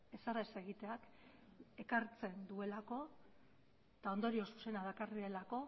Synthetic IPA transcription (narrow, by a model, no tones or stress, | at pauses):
e̞saraese̞ɣit̪e̞ak | e̞kaɾt͡se̞nd̪ue̞lako̞ | t̪ao̞nd̪o̞ɾio̞su̥se̞naðakariɾe̞lako̞